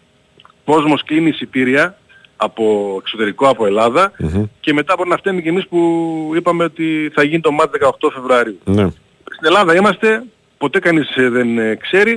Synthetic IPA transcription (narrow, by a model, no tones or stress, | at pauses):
ko̞zmo̞sklinisipiɾiɐː | po̞ekso̞t̪e̞ɾiko̞ɐpo̞e̞lɐðɐce̞me̞t̪ɐbo̞ɾinɐft̪e̞mice̞mispuipɐme̞o̞t̪iθɐʝinit̪o̞mɐt̪ðe̞kɐoxt̪o̞fe̞vɾuɐɾiune | st̪ine̞lɐðɐimɐst̪e̞ | po̞t̪e̞kɐnizðe̞nkse̞ɾi